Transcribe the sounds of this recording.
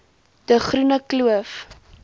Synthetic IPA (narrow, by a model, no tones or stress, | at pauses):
d̥əχrunəkluəf